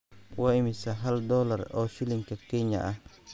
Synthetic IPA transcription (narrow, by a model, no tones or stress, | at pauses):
waːɪmɪsɐɦɐld̪ɔːlɐrɔːʃɪlɪŋkʰɐkʰɛɲɐ̰ʔɐh